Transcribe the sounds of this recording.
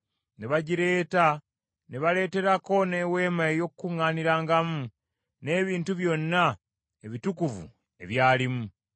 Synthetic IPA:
ne̞βaɟiɾe̞ːta | ne̞βale̞ːte̞ɾako̞ne̞we̞ːmaejo̞kkːuŋːaːniɾaːŋɡamu | ne̞ːβiːntuβjo̞nːa | e̞βitukuvṵ | e̞̰βjaːlimu

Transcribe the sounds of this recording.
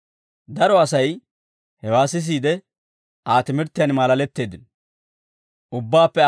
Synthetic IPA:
d̪ɐɾɔɐsɐj | hɛwaːsɪs̬iːd̪ɛ | ʔaːt̪ɪmɪɾt̪ːɪjanmaːlɐlɛt̪ːe̞ːd̪ɪn | ʔʊbːaːpːɛ

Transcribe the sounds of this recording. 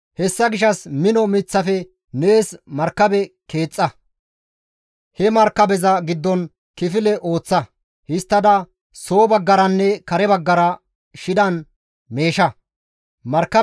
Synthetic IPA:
hɛsːɐɡɪʃɐsmɪnɔmɪt͡sːɐfɛ | ne̞ːsmɐɾkːɐbɛke̞ːt͡sʼːɐ | hɛmɐɾkːɐbɛzɐɡɪd̪ːɔn | kɪfɪlɛʔo̞ːt͡sːɐ | hɪst̪ːɐd̪ɐ | soːbɐɡːɐɾɐnːɛkɐɾɛbɐɡːɐɾɐ | ʃɪd̪ɐn | meːʃɐ | mɐɾkːɐ

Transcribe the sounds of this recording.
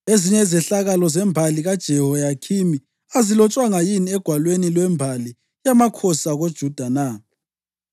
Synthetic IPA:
eziɲɛzɛɬaɣalɔzɛmbʱaliɣad̥ʒ̥ʱɛɦɔjakʰimi | azilɔt͡ʃʼwaŋajiniɛɡ̥ʱwalwenilwɛmbʱali | jamakʰɔsaɣod̥ʒ̥ʱud̥ʱana

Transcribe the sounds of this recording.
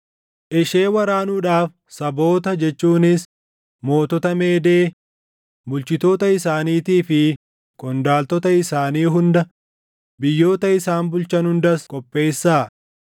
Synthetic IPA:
ʔɪʃe̞ːwɐɾaːnuːᶑaːf | sɐbo̞ːt̪ɐd͡ʒɛt͡ʃːuːnɪs | mo̞ːt̪ɔt̪ɐme̞ːd̪eː | bʊlt͡ʃɪt̪o̞ːt̪ɐɪsaːniːt̪iːfɪ | kɔnd̪aːlt̪ɔt̪ɐɪsaːniːɦʊnd̪ɐ | bɪjːo̞ːt̪ɐɪsaːnbʊlt͡ʃɐnhʊnd̪ɐskʼɔpʼːe̞ːsːaː

